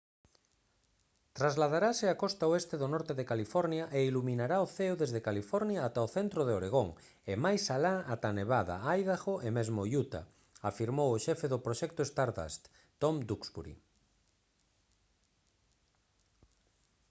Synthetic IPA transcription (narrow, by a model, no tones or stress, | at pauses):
t̪ɾazlað̞aɾasɪakɔst̪aoest̪eðʊnɔɾt̪eðekalifɔɾnjaʔeilumĩnaɾaoθeoðezðekalifɔɾnjaːt̪aoθent̪ɾoðeoɾeɣ̞oŋ | emajsalaat̪aneβaða̰ajðaɣoʔemezmojut̪a̰ | afiɾmowʊʃɛfeðʊpɾoʃɛk̚t̪oest̪aɾða̰st̪ | t̪omd̪uksβṵɾḭ